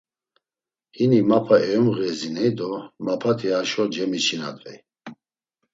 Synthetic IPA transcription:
hinimapʰaɛɔmɣɛzinɛjd̪ɔmapʰat̪ʰiaʃɔd͡ʒɛmit͡ʃʰina̰d̪vɛ̰j

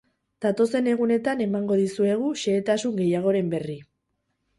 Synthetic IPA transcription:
d̪̥at̪o̞se̞ne̞ɣune̞t̪ane̞maŋɡo̞ðisue̞ɣ̞uʃe̞ːt̪asuŋɡe̞jaɣ̞o̞ɾe̞mbe̞ri

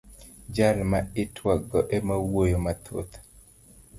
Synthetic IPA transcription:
d͡ʒalmaɪtʰwaɡɔʔɛmawojomat̪ʰo̰t̪

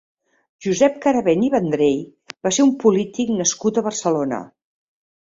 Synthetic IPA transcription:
ʒuzɛp̚kəɾəβɛniβənd̪ɾej | baseumpulit̪iknəskut̪əβərsəlonə̰

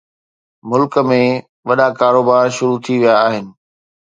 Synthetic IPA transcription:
mʊlkəmẽ | ʋɐɗakaːɾoːbaːɾʃʊɾut̪ʰiʋijaːɦɪnɪ̆

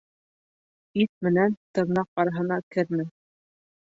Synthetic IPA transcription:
it̪̚mɘ̆nænt̪ɤ̆ɾnɑq̚ɑɾɑɦɤ̆nɑkɘ̆ɾmɘ

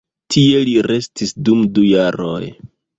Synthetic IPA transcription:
tʰie̞liɾe̞stisdumdujaɾo̰j

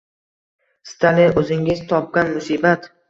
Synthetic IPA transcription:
st̪ʰalinɵzɪŋɪzt̪ʰɒp̚ɡʲanmʊsiːbat̪

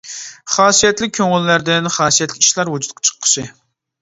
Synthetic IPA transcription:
χɑːsijɛt̪lɪk̚ʲʰːøŋɪlːæɾd̪ɪnχɑːsijɛt̪lɪkʲi̥ʃlˠɑɾwud͡ʒut̪̚qʰɑ̥t͡ʃʰə̥qʰːə̥ʃɪ

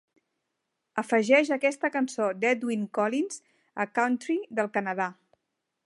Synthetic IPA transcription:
əfəʒɛʃəkɛst̪əkənsod̪ɛd̪wiŋkɔlinz | əkawnt̪ɾiðəlˠkənəð̞a

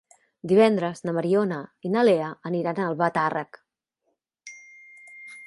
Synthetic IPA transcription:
d̪iβ̞ɛnd̪ɾəznəməɾionəinəleəəniɾanəlˠβat̪arək

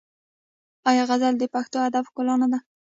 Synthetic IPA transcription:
ɑjɑɣazald̪əpaxt̪oad̪afkolɑnad̪a

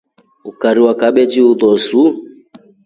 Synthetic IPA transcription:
ukaɾiwakaɓɛd͡ʒiuðɔzu

